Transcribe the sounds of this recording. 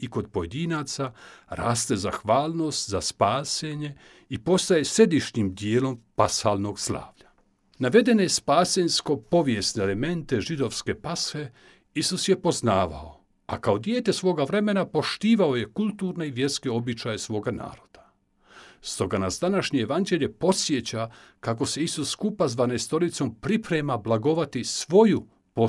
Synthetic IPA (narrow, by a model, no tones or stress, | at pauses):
iko̞d̪̚po̞je̞d̪inaːt̪saɾa̰ːst̪e̞za̰xʋaːlˠno̞ːst̪zaspaːse̞ɲe̞ | ipo̞st̪ajese̞d̪iʃɲimd̪jeːlo̞mpashaːlno̞ɡsla̰ːʋʎa | naʋe̞d̪e̞nespaːsensko̞po̞ʋjest̪neːleme̞nt̪e̞ʒid̪o̞ʋske̞pasʋe̞ | isusjepo̞znaːʋa̰o | a̰kao̞d̪jeːt̪e̞sʋo̞ːɡaʋɾe̞me̞napo̞ʃt̪iːʋao̞je̞kulˠt̪uːɾne̞iʋje̞ɾske̞o̞bit͡ʃaje̞sʋo̞ːɡana̰ːɾo̞d̪̥ḁ | st̪o̞ɡanasd̪anaʃɲeeʋand͡ʑe̞ʎʲe̞po̞sʋje̞t͡ɕakako̞se̞isusːkupazʋanest̪o̞ɾit̪so̞mpɾipɾemablˠaɡo̞ʋat̪isʋo̞ju | po